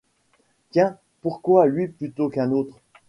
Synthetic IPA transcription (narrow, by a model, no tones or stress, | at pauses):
t̪jɛ̃ | puʁkwalɥiplyt̪okɛ̃not̪χ